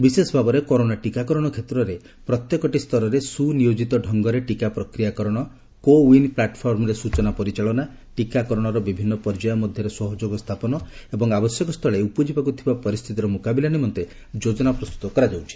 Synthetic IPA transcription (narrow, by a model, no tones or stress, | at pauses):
bisesbʱabɔɾekɔɾoɽ̃aʈikakɔɾɔɽ̃ɔkʰet̪ɾɔɾe | pɾɔt̪jɔkɔʈist̪ʰɔɾɔɾesunijod͡ʒit̪ɔɖʱɔŋɡɔɾeʈikapɾɔkɾijakɔɾɔɽ̃ɔ | kowinplaʈpʰɔɾmɔɾesut͡ʃɔnapɔɾit͡ʃaɭɔna | ʈikakɔɾɔɽ̃ɔɾɔbibʱinːɔpɔɾd͡ʒajɔmɔd̪ʱjɔɾesɔɦɔd͡ʒoɡɔst̪ʰapɔnɔebɔŋabɔsjɔkɔst̪ʰɔɭeupɔd͡ʒibakut̪ʰibapɔɾist̪ʰit̪iɾɔmukabilanimɔnt̪e | d͡ʒod͡ʒɔnapɾɔst̪u̥t̪ɔkɔɾad͡ʒawt͡ʃʰi̥